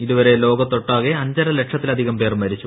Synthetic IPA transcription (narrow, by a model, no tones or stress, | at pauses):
iðuʋɐɾe̞lo̞ːɡɐt̪ːoʈːaːɣeɐɲd͡ʑɐɾɐleʈʂɐt̪ːilɐd̪ʱiɣɐmpe̞ːrmːʋɐɾit͡ɕːu